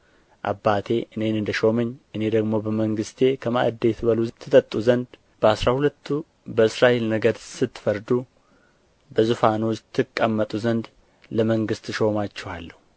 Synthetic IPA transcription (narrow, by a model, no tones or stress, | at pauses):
ʔa̰bːat̪ʰe̞ʔɨne̞nɨnd̪əʃo̞məɲːʔɨne̞d̪əɡmo̞bəməŋɡɨst̪ʰe̞kʰəma̰ʔd̪e̞t̪ʰβəlut̪ʰɨt̪ʼət̪ʼːuzənd̪ | b̥əasɾahulət̪ʰːu | bəɨsɾaʔe̞lnəɡəd̪sɨt̪ːfəɾd̪u | bəzufanot̪ʰːɨkʼːəmːət̪ʼuzənd̪ | ləməŋɡɨst̪ʃo̞mat͡ʃːɛha̰lːəhu